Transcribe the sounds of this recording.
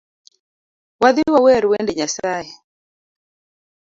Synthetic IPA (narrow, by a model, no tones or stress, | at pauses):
waðiwawɛɾwɛndɛɲasajɛ